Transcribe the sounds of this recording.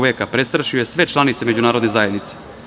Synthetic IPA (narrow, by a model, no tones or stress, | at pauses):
ʋeːkapɾe̞st̪ɾaʃiojesʋe̞t͡ʃlˠanit̪semed͡ʑunaːɾod̪ne̞zaje̞d̪nit̪se̥